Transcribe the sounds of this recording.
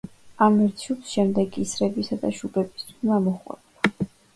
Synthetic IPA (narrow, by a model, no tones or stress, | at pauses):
amɛɾt̪ʰupsʃɛmd̪ɛɡisɾɛbisad̪aʃubɛbist̪ʰwimamɔχwɛ̰bla